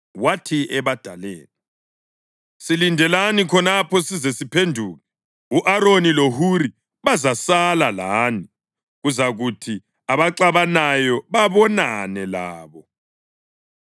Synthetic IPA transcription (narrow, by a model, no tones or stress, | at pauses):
watʰiɛβad̥ʱalḛːni | silindʱɛlanikʰɔnapʰɔsizesipʰendʱuːɣɛ | uʔaɾonilohuɾi | βazasalalaːni | ɣuzaɣutʰi | aβaǁaβanajɔβaβɔnanɛlaːβɔ